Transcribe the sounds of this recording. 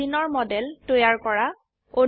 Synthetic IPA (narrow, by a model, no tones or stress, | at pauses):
inɔɹmɔdɛltojaɹkɔɹa | o